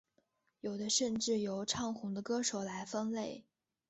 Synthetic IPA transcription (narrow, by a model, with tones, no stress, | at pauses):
jo˨˩ʊd̪ə˦ʂə˥˧nʈ͡ʂɻ̩˥˩jo˧˥ʊʈ͡ʂʰɑ˥˩ŋxʊ˧˥ŋd̪ə˧kɤ˥ʂo˨˩ʊla˧˥ɪfə˥nle˥˩ɪ